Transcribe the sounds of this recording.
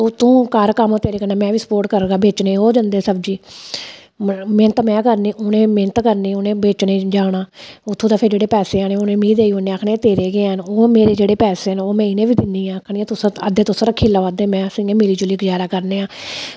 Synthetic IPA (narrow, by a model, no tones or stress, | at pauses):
ot̪ũːkəɾkəmoːt̪eːɾeːkəɾnẽːmɛ̃ːʋiːsə̥poːɾʈ̚kəɾɡaːbeːt͡ʃneːɦoːd͡ʒənd̪eːsəb̚d͡ʒiː | mẽnt̪mɛ̃ːkəɾneːʔʊnẽːmɪnt̪kəɾneːʊnẽːbeːt͡ʃnẽːd͡ʒaːɽaːʊt̪ʰːũːt̪aːpʰɪɾd͡ʒeːɽeːpɛːseːaːneːonẽːmiːd̪eːiːʊneːakʰnẽːt̪eːɾeːɡeːɦənoːmeːɾeːd͡ʒeːɽeːpɛːseːɦənoːmɛ̃ːɪnẽːʋiːd̪ɪnːiːãːəkʰnĩːɛ̃ːt̪ʊsəd̪eːt̪ʊsɾəːkʰiːlaːʋaːd̪eːmɛ̃ːəsĩjãːmɪliːt͡ʃʊliːɡd͡ʒaːɾaːkəɾneːaː